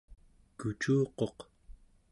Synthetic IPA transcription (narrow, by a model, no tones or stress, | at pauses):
kut͡ʃuːqo̞q